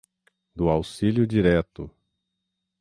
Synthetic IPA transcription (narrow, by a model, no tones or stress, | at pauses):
d̪ʊawsiljʊd͡ʒiɾɛt̪ʊ